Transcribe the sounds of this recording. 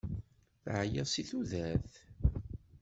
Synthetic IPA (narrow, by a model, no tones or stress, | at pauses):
θʕjəsiθuðæθ